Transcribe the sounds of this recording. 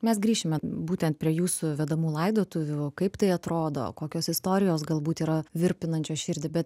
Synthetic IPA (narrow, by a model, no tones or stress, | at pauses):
mʲɛsɡɾʲiːʃʲɪmʲɛbuːt̪ʲɛnt̪̚pʲɾʲiɛjuːsʊʋʲɛd̪ɐmuːlˠɐɪd̪oːt̪ʊʋʲʊkɐɪpt̪ɐɪɐt̪ɾoːd̪o̰ːkoːkʲoːsɪst̪oːɾʲɪjoːsɡɐlˠbuːt̪iːɾɐʋʲɪɾʲpʲɪnɐnʲt͡ʃʲoːʃʲɪɾʲd̪ʲɪbʲɛt̪̚